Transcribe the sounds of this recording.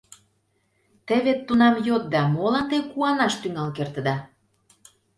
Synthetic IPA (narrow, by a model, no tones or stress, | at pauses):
t̪ə̆βet̪ːunɑmjot̪̚d̪ɑmolɑnt̪ekuɑnɑʃt̪yŋɑlkert̪ə̆d̪ɑ